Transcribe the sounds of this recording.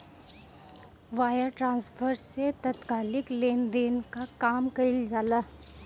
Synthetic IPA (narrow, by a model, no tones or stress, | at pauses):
ʋaːjəɾʈɾãːnspʰəɾset̪ɐt̪kaːlɪkleːnd̪eːnkakaːmkɐɪld͡ʒaːlaː